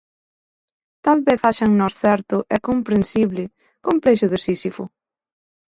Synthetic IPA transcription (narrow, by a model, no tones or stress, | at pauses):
t̪alβeθaʃaŋnɔsθɛɾt̪ʊʔɛkompɾensiβlɪ | kompɾɛʃʊðesisifʊ